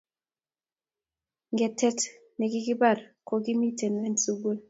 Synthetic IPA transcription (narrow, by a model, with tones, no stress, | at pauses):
ŋɡɛ˨tɛ˦t | nɛ˨ɡi˦ɡi˦ba˦˨ɾko˨ɡi˦mi˦te˨nwɛ˦nsu˦ɡu˦l